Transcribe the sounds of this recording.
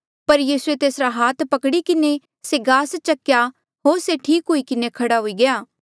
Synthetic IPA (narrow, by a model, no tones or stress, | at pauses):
pɐɾjiːsuet̪eːsɾaɦaːt̪ʰpɐkɽikɪne | seɡaːst͡ʃɐkːja | ɦoːɾseʈʰiːkɦoikɪnekʰɐɽaɦoiɡɐjaː